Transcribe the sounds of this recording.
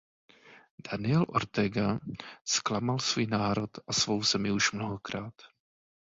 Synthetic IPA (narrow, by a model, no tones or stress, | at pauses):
d̥anɪɛlʔo̰ɾt̪ɛɡasklamalsvuːjnaːɾo̞t̪ʔasvo̞wzɛmɪuʃmnoɦokɾaːt̪